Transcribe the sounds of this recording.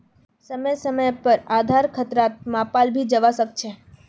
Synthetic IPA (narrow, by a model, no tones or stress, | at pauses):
səməjsəməjpəɾad̪ʱaɾkʰət̪ɾat̪̚mãpalbʱid͡ʒəʋasək̚t͡ʃʰe